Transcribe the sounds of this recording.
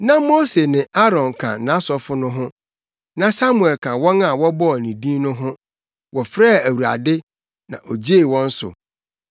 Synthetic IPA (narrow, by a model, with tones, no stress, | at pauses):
nã˦mo˦se˨nɪ̃˨ʔa˦ɾɔ̃˨nkʰã̰˨nã˨˦sɔ˨fʊ˦nʊ̃˦ɦʊ̃˦ | nã˦sa˦mu˨ɛ˨lkʰã˨wɔ̃˦na˨wɔ˦bɔ˦˨nĩ˨dĩ˦nʊ̃˦ɦʊ̃˦ | wɔ˨fɾa˦˨æ˨wu˨a̰˨dɪ˦ | nã˨ʔo˨d͡ʑe˦˨wɔ̃˦n̩˦sʊ̰˨